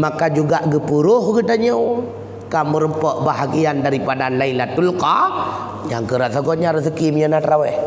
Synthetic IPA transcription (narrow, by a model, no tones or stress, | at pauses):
makad͡ʒuɡaʔɡəpuɾʊhɡət̪aɲəw | kaməɾəmpɔʔbaɦaɡiandaɾipadalailat̪ulka | ɲaŋkəɾaʔsaɡɔʔɲaɾəs̬əkimjənat̪ɾawɛ